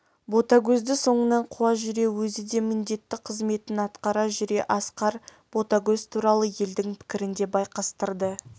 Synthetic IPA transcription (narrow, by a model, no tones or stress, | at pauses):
bo̞t̪aɡʲɵzd̪ɪso̞ɴənɑɴqʰuɑʒʏɾe̞wɵzɪd̪e̞mɪnd̪e̞t̪ːɪqʰəzme̞t̪ɪnɑt̪qɑɾɑʒʏɾe̞ʔɑsqɑɾ | b̥o̞t̪aɡʲɵzt̪ʰuɾɑlˠəje̞ld̪ɪŋpʰɪ̥kʲɪɾɪnd̪e̞bɑjqɑst̪əɾd̪ə